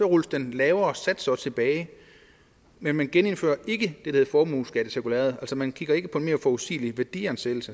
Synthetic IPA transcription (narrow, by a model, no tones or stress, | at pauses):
ɒʁulsd̥enlɛːʊɐɒ̽sæd̥sɒ̽t͡sʰe̝b̥ɛːɪ | menmænɡ̥ene̝nfø̰ːɐʔe̝ɡ̥əd̥e̝̥ɑ̈he̝fɒːmuːsɡ̥æd̥əsiɐkʰulɛ̰ɐð̞̩ˠæl̰sɒmænkʰiɡ̥ɐe̝ɡ̥əpʰɒ̽e̝nme̝ːɐfɒusḭːliʋæɐd̥ḭːɐnsel̩sə